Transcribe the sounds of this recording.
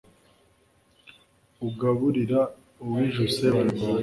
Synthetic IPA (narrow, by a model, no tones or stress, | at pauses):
uɡaβuɾiɾa | uwiʒuseβa